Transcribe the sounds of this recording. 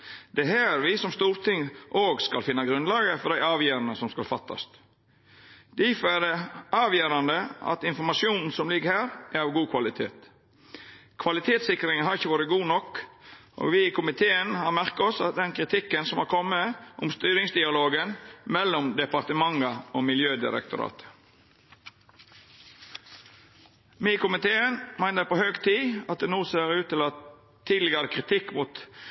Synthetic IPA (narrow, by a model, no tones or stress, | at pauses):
d̪̥ɛɦæːɾʋɪsɔmst̪uːɾt̪ʰɪŋʔoːɡskɑlfɪnːɑɡɾʉnlɑːɡəfɔɾd̪æɪɑːʋjøːɾɑnəsɔmskɑlfɑt̪ʰːɑ̰st̪ | d̪ɪfɔæd̪ɛɑːʋjøːɾɑnd̪əɑ̰t̪ɪnfɔɾmɑʂuːnn̩sɔmlɪɡəɾhæːɾʔæɾɑʋɡuːkʰʋɑlɪt̪ʰḛːt̪ | kʰʋɑlɪt̪ʰeːt̪sɪkɾɪŋhɑɾɪçːəʋuːɾəɡuːnɔkːʔo̰ːʋɪkʰʊmɪt̪ʰeːənhɑmæʁkɑɔsɑ̰t̪̚d̪ɛnkʰɾɪt̪ʰɪkːənsɔmhɑːkʰɔmːəʔʊmst̪yːɾɪŋsd̪ɪɑloːɡənmɛlːɔmd̪ɛpɑɾt̪əmɑŋəoːmɪljøːd̪ɪ̰ɾə̰kt̪ʊ̰ɾɑ̰ːt̪ə̥ | miːkʊmɪt̪ʰeːənmæɪnəɾpoːhøːɡt̪ʰiːɑt̪̚d̪ɛnuːseːɾʉːt̪t̪ɪlɑ | iːd̪lɪɡəd̪əkʰʁɪt̪ʰɪkːmuːt̪